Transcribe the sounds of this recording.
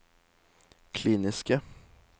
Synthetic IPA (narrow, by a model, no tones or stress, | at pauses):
kʰliːnɪskə